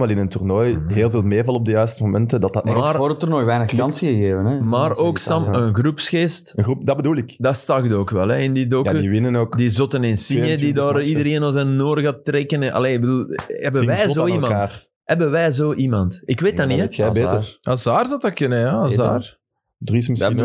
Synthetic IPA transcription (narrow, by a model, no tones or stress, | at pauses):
mɛlɪnənturnoːjɦeːlˠveːlˠmeːvɑlˠɔb̚dəjœːɥstəmomɛntədɑtɑtɛmaroːɾəturnojʋɛːjnəxlɑnsiɣəɣeːvənɛmaːroːksɑmənɣrupsxeːstəɣrupdɑbəduːlˠɪkdɑstɑɣdoːkʋɛlˠɛɪndidokəiʋɪnənoːkdizɔtənɪnsinjədidaːriddəɾeːnɔlˠzɛnːoːrɣaːtːreːkənʔɑ̰leːɪɡ̚bəduːlˠɛbəʋɛːzoːimɑtːr | ɦɛbənʋɛːzoːʔimɑntɪkʋeːt̚daniɛbeazaːrzɑwtɑkʏnəjaza̰ːr | drismə